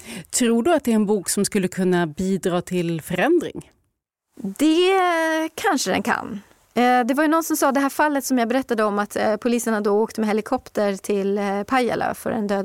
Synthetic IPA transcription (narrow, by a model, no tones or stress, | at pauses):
t̪ʰɾuːɖɵat̪̚d̪ɛæɾɛnbuːksɔmskɵlːəkʰɵnːabiːd̪ɾɑːt̪ʰɪlfœɾɛnd̪ɾɪ̰ŋ | d̪ɛ | kʰanʂəd̪ɛ̰nkʰa̰nː | d̪ɛvaɾjɵnɔnsɔmsɑːd̪ɛɦæːɾfalːət̪sɔmjɑːɡbɛɾɛt̪ːad̪əɔmːat̪pʰʊliːsəɳad̪ɔoːkt̪əmɛhɛlɪkʰɔpt̪əɾt̪ʰɪlpʰaja̰lʔø̰ːfœ̰ɾɛ̰nd̪øːd̪